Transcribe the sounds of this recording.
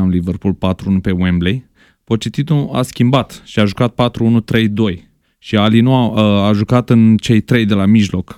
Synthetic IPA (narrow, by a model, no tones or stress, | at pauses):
aliverpulpat̪ɾuunupe̞wemblej | po̞t͡ʃit̪it̪ua̰skʲimbat̪ʃiaʒukat̪̚pat̪ɾuunut̪ɾe̞jd̪o̞j | ʃialinuaaʒukat̪ɨnt͡ʃe̞jt̪ɾe̞jd̪e̞lamiʒlo̞k